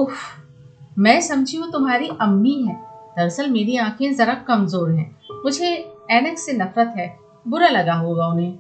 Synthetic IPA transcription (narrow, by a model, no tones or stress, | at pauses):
uf | mɛ̃ːsɐmd͡ʒʱiɦũt̪ʊmɦaːɾiʔɐmːiɦɛ̃ːd̪̥ɐɾsəlmeːɾiãːkʰẽzɐɾakɐmzoːɾɦɛ̃ːmʊd͡ʒʱeɛːnəksenɐfɾət̪ɦɛː | bʊɾalɐɡaɦoɡaʊnẽː